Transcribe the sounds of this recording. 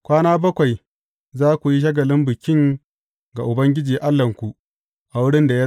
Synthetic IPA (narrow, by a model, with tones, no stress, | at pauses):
kʷaː˦naː˦bɐ˦kʷa˨j | zaː˦kʷu˨ji˦ʃ̬ɐ˦ɡɐ˨lɪ˦mbɪ˨kʲɪ˦ŋ | ɡa˨ʔʊ˨bɐ˦ŋɡʲɪ˦d͡ʒiː˨ʔa˦lːɐ˨ŋkʷu˨ʔ | ʔa˨wʊ˦ɽɪ˦nda˨ja˦